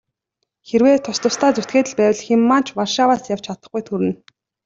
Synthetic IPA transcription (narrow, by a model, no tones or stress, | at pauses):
xeɾweːt̪ʰʊst̪ʰʊ̆st̪ʰaːt͡sut̪ɡeːt̪ɘ̆ɮpæːwə̆ɮxemːḁːt͡ɕʰwarʃawaːsjaw̥t͡ɕʰat̪ə̆χɡujt̪ʰuɾɘ̆n